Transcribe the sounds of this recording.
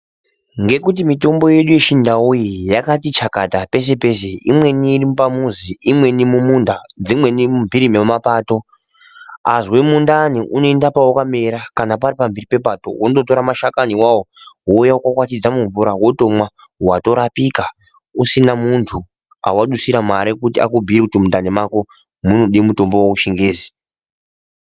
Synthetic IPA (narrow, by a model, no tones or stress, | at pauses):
ŋɡe̞kut̬imito̞mbo̞je̞ɗuje̞ʃindaujijakatit͡ʃakatape̞s̬e̞pe̞se̞imwe̞niːrimupamuziimwe̞nimumundad͡zimwe̞nimumvʱiɾimemapaːto̞ | azwe̞mundaniʔuno̞endapawukame̞ɾakanapaɾipambiripe̞pato̰wonototo̞ɾamaʃakaniwawowoujawokwakwat͡ʃid͡zamuɱvuɾawoto̞mwa | wato̞ɾapika | usinamuntʰu | a̰waɗusiɾamaɾikutia̰kubʱiɾikutimundanimako | munoɗimuto̞mbowakuʃeŋɡeːzi̥